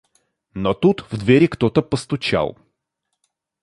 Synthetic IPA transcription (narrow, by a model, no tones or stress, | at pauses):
not̪ut̪vd̪vʲɛɾʲikt̪ɔt̪əpəst̪ʊt͡ʃa̰lˠ